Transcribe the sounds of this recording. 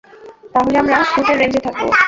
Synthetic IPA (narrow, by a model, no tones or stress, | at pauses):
t̪aɦoleamɾaʃuʈeɾeɲd͡ʑet̪ʰak̚bo̰